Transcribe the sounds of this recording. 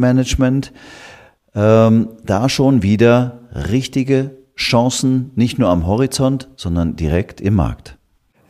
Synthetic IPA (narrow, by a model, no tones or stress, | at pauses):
mɛnəd͡ʒmɛnt | ʔɛmd̥aːʃoːnviːdɐʁɪçtɪɡə | ʃãːsn̩nɪçtnuːɐamɦɔʁit͡sɔntz̥ɔndɐndiʁɛktʰɪmːa̰ɐkt